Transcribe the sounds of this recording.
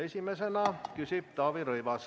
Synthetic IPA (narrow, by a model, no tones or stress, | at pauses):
e̞sʲimesenɑkysib̥̚t̪ɑːviɾɤjʋɑs